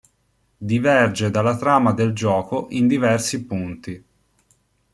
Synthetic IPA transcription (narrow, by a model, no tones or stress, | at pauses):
d̪ivɛrd͡ʒed̪alːat̪ɾaːmad̪eld͡ʒɔːkoʔind̪ivɛrsipunt̪i